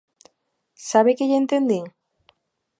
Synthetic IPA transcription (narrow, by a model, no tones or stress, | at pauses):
saβekeʎent̪end̪iŋ